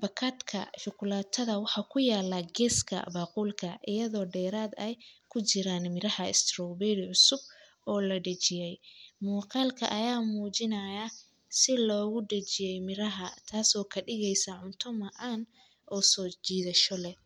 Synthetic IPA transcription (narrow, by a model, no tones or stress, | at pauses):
bɐkʰaːd̪kʰɐ̰ʃʊkʰʊlaːt̪ʰːɐðɐwɑħɑːkʰʊjaːlːaːɡɛːskʰɐ̰baːquːlkʰɐʔɪjɐðɔːɖɛːɾaːd̪ɛjkʰʊt͡ʃɪɾaːnmɪɾɐhɐɪ̰st̪rɔbɛːdɪʕʊsʊb | ɔːlɐɖɐt͡ʃɪjɛjmuːqɑːlkʰɐ̰ʔɐjaːmuːt͡ʃɪnɐja | sɪlɔːɣʊɖɐt͡ʃɪjɛjmɪɾɐɦɐt̪ʰaːsɔːkʰɐɖɪɣɛjsɐʕʊnt̪ʰʊmɐʔan | ʔɔːsɔːt͡ʃiːðɐʃɔlɛ